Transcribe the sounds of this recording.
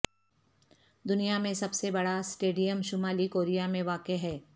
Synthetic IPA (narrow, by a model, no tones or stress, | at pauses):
d̪ʊnijamẽsɐbsebɐɽasʈeːɖijəmʃʊmaːlikoːɾijamẽʋaːkeɦɛː